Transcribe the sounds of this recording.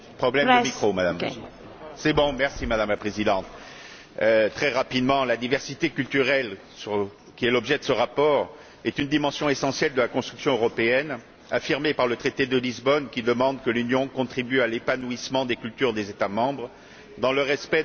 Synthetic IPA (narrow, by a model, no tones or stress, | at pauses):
pχɔblɛməmikχomad̪am | sɛbɔ̃mɛʁsimad̪amlapχezid̪ɑ̃t̪ | øt̪χɛʁapid̪mɑ̃lad̪ivɛʁsit̪ekʲylt̪yʁɛl | syʁ | kʲiɛlɔbʒɛd̪əsəʁapɔʁ | ɛt̪ynd̪imɑ̃sjɔ̃esɑ̃sjɛld̪əlakɔ̃st̪χyksjɔ̃øʁɔpeɛn | afiʁmepaʁlət̪χet̪ed̪əlizbɔnkʲid̪əmɑ̃d̪kəlynjɔ̃kɔ̃t̪χibyalepanuismɑ̃d̪ekʲylt̪yʁd̪ezet̪amɑ̃bʁ | d̪ɑ̃ləʁɛspɛ